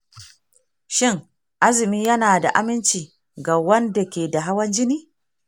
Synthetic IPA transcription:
ʃɪ˦ŋ | ʔa˦zɪ˨miː˦jɐ˦naː˨da̰˨ʔa˦mɪ˦nt͡ʃiː˨ | ɡa˨wɐ˦nda˨kʲeː˨da˨ɦa˦wɐ˦nd͡ʒɪ˦niː˦

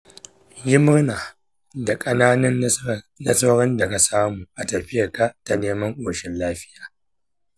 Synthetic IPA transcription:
jɪ˦mɪ˦ɾnaː˨ | da˨kʼɐ˦naː˦nɐ˦n | nɐ˦sɐ˦wɾɐ˦nda˨ka˨saː˦muː˨ʔa˨tɐ˨ɸɪ˦jɐ˨ka˦ʔta˨neː˦mɐ˦ŋʔʷoː˨ʃɪ˦nlaː˦ɸɪ˦jaː˨

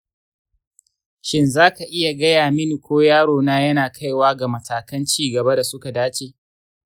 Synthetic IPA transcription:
ʃɪ˦nzaː˦ka˨ʔɪ˦ja˨ɡɐ˦jaː˨mɪ˦ni˨kʷoː˦jaː˦ɽoː˨naː˦jɐ˦naː˨kʰa˦jwaː˦ɡa˨mɐ˨tʰaː˨kɐ˦nt͡ʃiː˦ɡɐ˨ba˦da˨sʊ˦ka˨daː˦t͡ʃeː˨

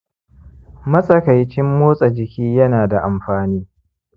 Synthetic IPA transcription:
mɐ˦sʼɐ˨ka˨jt͡ʃɪ˦mːoː˦sʼɐ˨d͡ʒɪ˨kʲiː˦jɐ˦naː˨da˨ʔa˨mɸaː˨niː˦

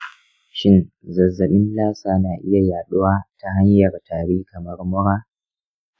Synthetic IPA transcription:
ʃɪ˦n | zɐ˨zːɐ˨ɓɪ˦nlaː˦saː˨naː˨ʔɪ˦ja˨jaː˨ɗʊ˦waː˦ta˨ɦa˦ɲjɐ˨rtaː˨ɽiː˦kɐ˨mɐ˦rmʊ˦ɽaː˦

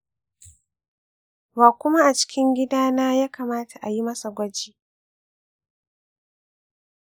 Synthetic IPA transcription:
waː˨kʷʊ˦ma˦ʔa˨t͡ʃɪ̥˦kʲɪ˦ŋɡʲɪ˦daː˦naː˦jaː˦kaː˨maː˦tʰa˨ʔa˨ji˦mɐ˦sa˨ɡʷɐ˦d͡ʒiː˦

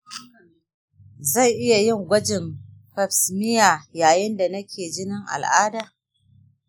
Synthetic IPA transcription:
za˦˨jʔɪ˦ja˨jɪ˦˨ŋɡʷɐ˦d͡ʒɪ˨mɸɐ˨ɸsmɪ˦jaː˨jaː˨jɪ˦nda˨nɐ˦kʲʰeː˨d͡ʒɪ˦nɪ˦ŋʔa̰˨lʔaː˦daː˨

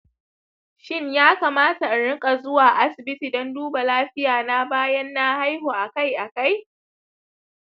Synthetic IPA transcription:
ʃɪ˦˨ɲjaː˦kaː˨maː˦ta˨ɽɪ˦kʼa˨zʊ˦waː˨ʔa˦sɪ˨bɪ˦tiː˨dɔ˦nduː˦ba˨laː˦ɸɪ˦jaː˨na˦baː˦jɐ˦nːa˦ha˦jhoː˨ʔa˨ka˦˨jʔa˨ka˦˨j

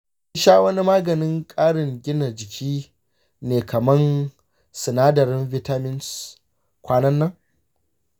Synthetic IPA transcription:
ʃaː˦wɐ˦ni˦maː˦ɡɐ˨nɪ˦ŋkʼaː˦ɽɪ˨ŋɡʲɪ˦na˨d͡ʒɪ˨kʲʰiː˦ | neː˨kʰɐ˨mɐ˦n | sɪ˨naː˦dɐ˨ɾɪ˦nvɪ˦taː˦mɪ˦ns | kʷaː˦nɐ˦nːɐ˦ŋ

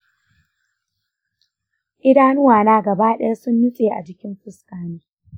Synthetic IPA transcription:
ʔɪ˦daː˦nʊ˦waː˨naː˦ɡɐ˨baː˦ɗɛ˦ɐ˦rsʊ˦nːʊ˦sʼeː˨ʔa̰˨d͡ʒɪ˦kʲɪ˦mɸɪ˦skaː˦niː˦

